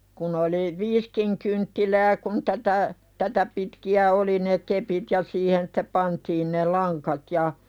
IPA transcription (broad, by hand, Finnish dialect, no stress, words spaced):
kun oli ʋiːskiŋ kyntːilæː kun tætæ tætæ pitkiæ oli ne kepit jɑ siːhen sĭ̥te pɑntiːn ne lɑŋkɑt jɑ